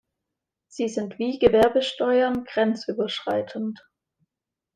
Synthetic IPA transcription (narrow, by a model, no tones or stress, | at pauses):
z̥iːzɪntv̥iːɡəvɛɐbəʃtɔʏɐnɡ̥ʁɛnt͡sʔyːbɐʃʁ̥a̰ɪtʰənt